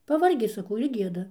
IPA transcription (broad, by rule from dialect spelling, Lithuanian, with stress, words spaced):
pɐˈʋɐrʲɡʲɪ sɐˈkɐʊ ɪr ˈɡʲiɛdɐ